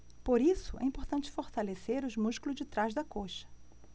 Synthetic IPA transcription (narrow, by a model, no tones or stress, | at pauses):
poɾisʊɛ̰ĩpoɾt̪ɐ̃nt͡ʃɪ̥foɾt̪aleseɾʊzmuʃkulʊzd͡ʒɪt̪ɾazd̪ɐkoʃɐ̥